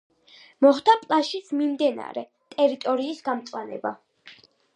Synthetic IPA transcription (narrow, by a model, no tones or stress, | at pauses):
mɔχd̪apʼlˠaʃit̪sʰmimd̪ɛna̰ɾɛ̰ | t̪ʼɛɾit̪ʼɔɾiːsɡamt̪sʼwanɛ̰ba